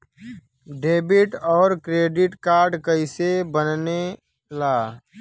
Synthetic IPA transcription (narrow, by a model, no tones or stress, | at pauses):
ɖeːbɪʈɔːɾkɾeːɖɪʈkaːɾɖkəɪsebənne | laː